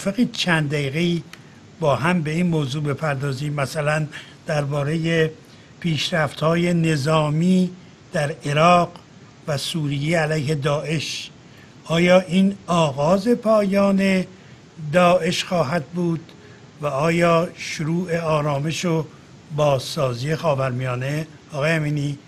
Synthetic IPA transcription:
feɣiːt͡ʃʰænd̪d̪æiːɣeiː | bɒːɦæmbe̞iːnmoːzuːbe̞pʰæɾd̪ɒːziːmːæsælæn | d̪̥æɾbɒːɾe̞je | pʰiːʃɾæft̪hɒːje̞ne̞zɒːmiː | d̪̥æɾe̞ɾɒːɡ | væsuːɾijeælæjhe̞d̪ɒːʔe̞ʃ | ʔɒːjɒːʔiːnɒːɣɒːze̞pʰɒːjɒːne̞ | d̪ɒːʔe̞ʃxɒːɦæd̪̚buːd̪̥ | væɒːjɒːʃoɾuːʔe̞ɒːɾɒːme̞ʃo | bɒːzsɒːziːje̞xɒːbæɾmijɒːne̞ | ɒːɣɒːjeæmiːniː

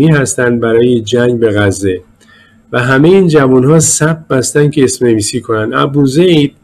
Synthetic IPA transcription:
iːhæst̪ænd̪̚bæɾɒːjed͡ʒæŋɡbe̞ɣæzːe | væɦæme̞jeiːnd͡ʒævunhɒːsæfbæst̪ænd̪̥̚cʰe̞ːsmne̞viːsiːkʰo̞nænd̪æ̰buzejd̪̥̚

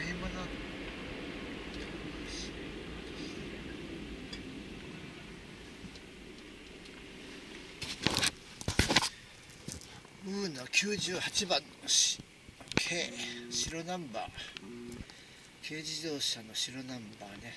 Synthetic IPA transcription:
imonan | t̪oɕi | ɯ̟ːnokʲʰɨːʑɨːhat͡ɕibãnːo | kʰeːɕiɾo̞nãmba̰ː | kʰe̞ːd͡ʑid̪o̞ːɕano̞ɕiɾo̞nãmbaːne̞

